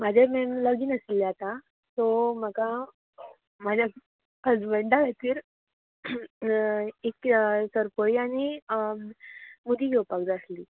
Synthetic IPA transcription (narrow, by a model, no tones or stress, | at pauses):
m̤ad͡ʑʱememləɡiːnəsilːat̪a | t̪ɔm̤əka | mad͡ʑʱa | əd͡zbəɳɖaʋat̪iːɾ | eksəɾpəɭiañi | mud̪ʱiɡɛwpakd̪əsliː